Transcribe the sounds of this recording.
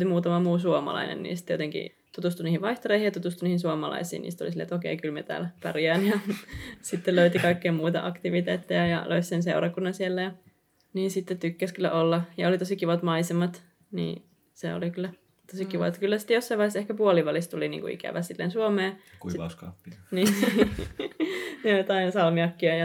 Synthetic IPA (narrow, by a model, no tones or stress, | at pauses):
t̪imuːt̪ɑmɑmuːsuomɑ̰lɑ̰inḛnːḭːst̪ːjot̪eŋkḭ | t̪ut̪ust̪uniːhiʋʋɑiht̪oreihijɑt̪ut̪ust̪uniːhinsuomɑlɑ̰isḭːnḭːst̪o̰lisilḛt̪okeikylmet̪æ̰ːlpæ̰riæːnjɑsit̪ːeløyt̪ikɑikːeːmuːt̪ɑ̰ʔɑkt̪iʋit̪eːt̪ːejæjɑ̰lʔøyssenseurɑkunːɑnsielːæjɑ | niːnsit̪ːet̪ykːæskylːæ̰ʔolːɑjɑolit̪osikiʋɑt̪mɑisemɑt̪ | nḭː | sḛo̰likylːæ | t̪osikiʋɑ̰ˑet̪ːkylːæsi̥t̪ːjosːɑiʋɑisehkæpuoliʋɑlist̪ulinḭːŋkṵḭkæ̰ʋæsilːḛnsuomeːkusɑ̰uskɑ̰pːiniː | nejot̪ɑinsɑlmiɑkːiɑjɑ